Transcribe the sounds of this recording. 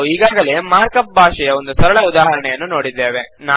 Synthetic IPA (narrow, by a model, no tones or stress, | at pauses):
iːɡaːɡɐleːmaːɾkɐp̚bʱaːʂɛjɐo̞nd̪usɐɾɐɭɐud̪aːɦɐɾɐɳɛjɐnːuno̞ːɽid̪ːe̞ːʋen